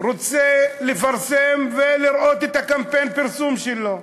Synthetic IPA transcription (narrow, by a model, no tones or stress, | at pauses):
ʁot͡selefaʁsemveliɾot̪et̪akampejnpiɾsumʃelo